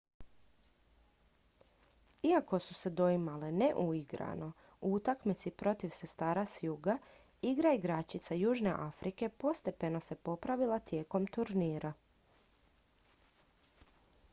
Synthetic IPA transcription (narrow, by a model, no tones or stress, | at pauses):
iako̞suse̞d̪o̞imaleneʔuiɡɾa̰no̞ | uut̪akmit̪sipɾo̞t̪iʋse̞st̪aːɾasjuɡa | iɡɾaiɡɾat͡ɕit̪sajuːʒne̞ʔafɾʔike̞po̞st̪e̞pe̞no̞se̞po̞pɾaʋilˠat̪je̞ːko̞mt̪uɾniːɾʔa